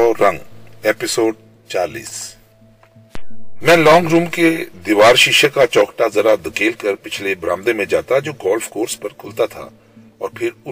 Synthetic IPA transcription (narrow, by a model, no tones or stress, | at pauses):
ɔːɾɐ̃ŋɡeːpɪsoːɖ | t͡ʃaːlḭːs | mɛ̃ːlɔːŋɡɾuːmked̪ɪʋaːɾʃɪʃəkat͡ʃɔːkʈazɐɾad̪ɐkeːlkəɾpɪt͡ʃʰlebɾã̰ːmd̪emẽd͡ʒaːt̪ad͡ʒoːɡɔːlfkoːɾspɐɾkʰʊlt̪at̪ʰa̰ | ɔːɾpʰɪɾʊ